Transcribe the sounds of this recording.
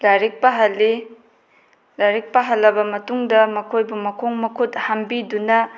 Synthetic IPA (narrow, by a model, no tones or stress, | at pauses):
laɾik̚pɐɦɐlːi | laɾik̚pɐɦɐlːɐbɐmɐtuŋdɐmɐkʰojbumɐkʰoŋmɐkʰut̚hɐmbidunɐ